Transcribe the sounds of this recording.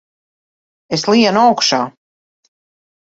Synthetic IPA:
eslˠiɛnuawkʃaː

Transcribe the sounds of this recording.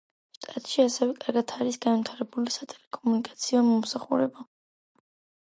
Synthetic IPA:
st̪ʼat̪ʼʃiasɛvɛkʼaɾɡat̪ʰaɾisɡanvit̪ʰaɾɛbulisat̪ʼɛlɛkʼɔmunikʼḁt̪sʰiɔmɔmsaχuɾɛba

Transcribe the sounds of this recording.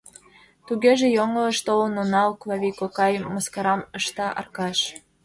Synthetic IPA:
t̪uɣeʒĕjoŋələʃt̪olənonɑwkvɑβʲikokɑjmoskɑɾɑmɤʃt̪ɑʔɑ̰rkɑʃ

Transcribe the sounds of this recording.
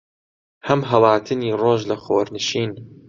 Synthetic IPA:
hɐmɦɐlɑːt̪ʰɨniːroːʒlɐxoːɾnɨʃiːn

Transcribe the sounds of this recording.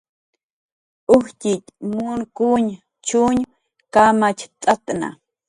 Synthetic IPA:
ʊxcʲit̪munkuɲ | t͡ʃuɲ | kamat͡ʃt͡s̪ʼat̪na̰

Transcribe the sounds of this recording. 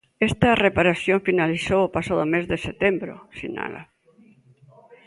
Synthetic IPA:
est̪arepaɾasjõɱfinaliθoopasaðomezðeset̪embɾo̰sina̰la̰

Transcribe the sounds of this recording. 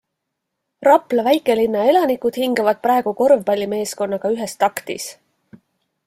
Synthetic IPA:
rɑplɑvæjkːˑe̞linːɑe̞lɑnikud̪̥hiŋɡ̥ɑvɑd̪̥̚prɾɑe̞ɡ̥uko̞rvb̥ɑlʲːime̞ːsko̞nːɑɡ̥ɑyɦe̞st̪ɑkt̪ḭs

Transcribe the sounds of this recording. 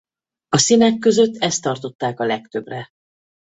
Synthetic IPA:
ɒsinɛkːø̞zø̞t̪ːɛst̪ːɒrt̪o̞t̪ːaːkɒlɛkt̪ø̞brɛ

